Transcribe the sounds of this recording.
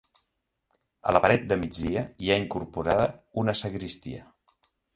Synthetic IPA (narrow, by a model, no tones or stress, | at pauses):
ə̰ləpəɾɛt̪̚d̪əmid͡zðiəiaiŋkuɾpuɾaðəunəsəɣɾist̪ḭə̰